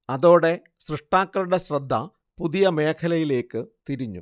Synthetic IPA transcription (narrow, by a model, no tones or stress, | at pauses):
ɐðo̞ːɽe̞ | ɕrɨʂʈaːkːɐluɽe̞ɕrɐd̪ʱːɐ | puðijɐme̞ːkʰɐlɐjile̞ːkːɨt̪iɾiɲːṵ